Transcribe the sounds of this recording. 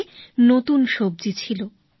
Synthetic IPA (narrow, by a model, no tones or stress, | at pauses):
not̪unʃob̚d͡ʑit͡ɕʰilo